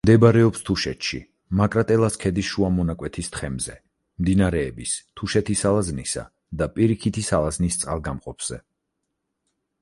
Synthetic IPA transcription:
md̪ɛbɾɛɔpst̪ʰuʃɛt̪ʃḭ | makʼɾat̪ʼɛlˠaskʰɛd̪isʃuamɔnakʼwɛt̪ʰist̪ʰχʰɛmzɛ | md̪inaɾɛːbist̪ʰuʃɛt̪ʰisalaznisa̰ | d̪apʼiɾikʰit̪ʰisalaznist̪sʼa̰lˠɡamqʼɔpʰz̥ɛ

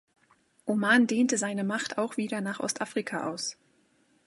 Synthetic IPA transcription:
ʔomaːndeːntəzaɪnəmaχtaʊxv̥iːdɐnaːχʔɔ̰stʔaːfʁ̥ikʰaʔa̰ʊs

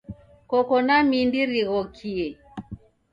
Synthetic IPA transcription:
kɔkɔnamindiɾiɣɔkʰiɛ

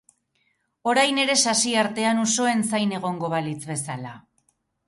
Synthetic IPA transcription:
o̞ɾajne̞ɾe̞sasiaɾt̪e̞anuso̞e̞nsajne̞ɣ̞o̞ŋɡo̞βalit͡sβe̞sala

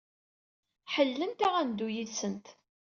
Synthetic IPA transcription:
ħəlːənt̪æʁænd̪ujiðsənt̪

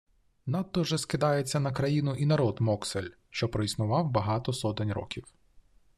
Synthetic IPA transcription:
nɑt̪ːɔʒɛskɪd̪ɑjet͡sʲːɐnɐkɾɐjinʊʔinɐɾɔd̪mɔkselʲ | ʃt͡ʃɔpɾɔisnʊʋɑwbɐɦɑt̪ɔsɔt̪ɪnʲɾɔ̰kʲiw

